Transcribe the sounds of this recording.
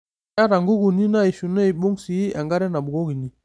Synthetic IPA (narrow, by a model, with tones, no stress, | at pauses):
a˦ɾa˨ŋɡu˦ɡu˨ni˦na˦i˨ʃu˨nɛ˦i˨ɓo˦ŋsi˨i˦ʔa˨ŋɡa˦ɾɛ˦na˨bu˨ɡo˦ɡi˨ni˦